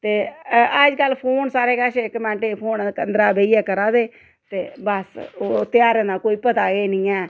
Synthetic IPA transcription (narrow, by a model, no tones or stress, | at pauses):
t̪eːəd͡ʒkəlːpʰoːnsaːɾeːkaːʃekːəmɛ̃ːɳʈeːpʰoːnkənd̪ɾaːbeiːɛːkəɾãːd̪eː | t̪eːbəsoːt̪ɪjaːɾeːnaːkoːiːpət̪aːɡeːnĩːɛː